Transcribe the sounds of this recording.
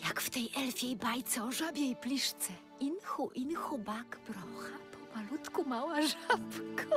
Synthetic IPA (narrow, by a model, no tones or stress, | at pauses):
jakft̪ɛjʔɛlfʲjejbajt̪sɛɔʐabʲjɛjplʲiʂt̪sɛ | inxuʔinxubakbɾɔxapʰɔmalut̪kumawaʐapkɔ